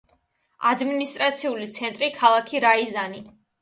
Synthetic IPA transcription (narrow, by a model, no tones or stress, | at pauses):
ad̪minist̪ʼɾat̪sʰiulit̪sʰɛnt̪ʼɾikʰalˠakʰiɾaizani